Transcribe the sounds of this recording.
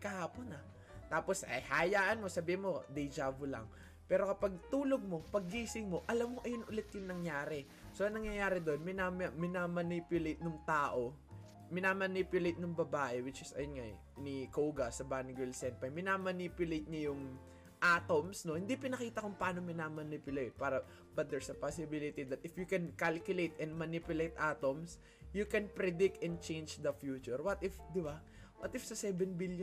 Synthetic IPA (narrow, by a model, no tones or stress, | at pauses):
kɐhaːpo̞nɐ | t̪aːpo̞sɐjhajaːʔɐnmo̞sɐbiːhɪnmo̞d̪ɐjd͡ʒaːbolɐ̰ŋ | pɛːɾo̞kɐpɐɡ̚t̪uːlo̞ɡ̚mo̞pɐɡ̚ːiːsɪŋmo̞ʔɐlɐmːoʔɐjʊnʔʊlɛt̪̚jʊŋnɐŋjaːɾɛ | so̞ʔɐŋnɐŋjɐjaːɾɛd̪o̞nmɪnammɪnamɐnipjʊlejt̪̚nʊŋt̪aːʔo̞ | mɪnamɐnipjʊlejt̪̚nʊŋbɐbaːʔɛwɪt͡ʃɪsɐ̰jonŋaj | nɪkowɡɐsɐbanɡɪlsɛn̚pɐjmɪnaːmɐnipjʊlejt̪̚ɲɐjʊŋ | ʔat̪omsno̞hɪnd̪ipɪnɐkiːt̪ɐkʊŋpɐaːnomɪnamɐnipjʊlejt̪̚paːɾɐ | bɐt̪̚d̪ɛɹsɐpasɪbɪlɪt̪id̪ɐt̪ɪfjukɛnkalkjʊlejt̪ɛ̃nd̪̚mɐnipjʊlejt̪ʔat̪oms | jʊkɛnpɾɛd̪ɪk̚t̪ɛnd̪̚t͡ʃẽjnd͡ʒd̪ɐfjuːt͡ʃʊɹwɐt̪ɪfd̪ɪba | wɐt̪ɪfsɐsɛbɛnbilj